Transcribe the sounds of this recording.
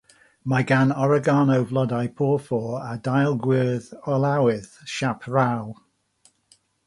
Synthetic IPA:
maɪɡanɔɹəɡɑːnoʊvlʌdaɪpʰɔːfɔːɹadaɪlˠɡwɪːðəlawɪðʃapʰɹaw

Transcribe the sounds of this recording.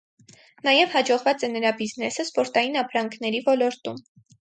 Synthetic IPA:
nɑjɛvhɑd͡ʒɔʁvɑt͡sɛnəɾɑbiznɛsəspɔɾt̪ɑjinɑpʰɾɑŋkʰnɛɾivɔlɔɾt̪um

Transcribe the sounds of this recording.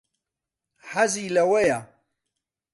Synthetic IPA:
ħazijlæwæja

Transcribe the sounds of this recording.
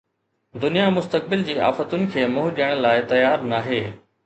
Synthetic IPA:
d̪ʊnijamʊst̪ək̚bɪld͡ʑiːa̰ːfət̪ʊnɪ̆kʰeːmʊɦʊɗijəɽ̃laːɪt̪ɐjaːɾnaːɦeː

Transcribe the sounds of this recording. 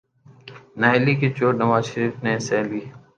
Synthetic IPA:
naːeliːkeːt͡ʃoːʈnəʋaːzʃəɾiːfnẽːsɛːliː

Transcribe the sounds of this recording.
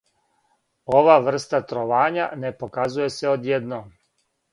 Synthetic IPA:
o̞ʋaːʋr̩st̪at̪ɾoʋaːɲa̰ne̞po̞kazuje̞se̞o̞d̪jed̪noːm

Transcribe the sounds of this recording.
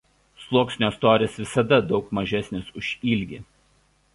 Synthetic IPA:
slˠuɔksʲnʲoːst̪oːɾʲeːsʋʲɪsɐd̪ɐd̪ɒʊkmɐʒʲɛsʲnʲesʊʃʲiːlʲɡʲɪ

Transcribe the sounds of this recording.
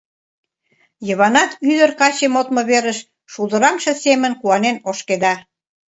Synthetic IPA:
jəβɑnɑt̪yd̪ərkɑt͡ɕemot̪mə̆βeɾəʃ | ʃud̪ə̆ɾɑmʃɤ̆semənkuɑnenoʃked̪ɑ

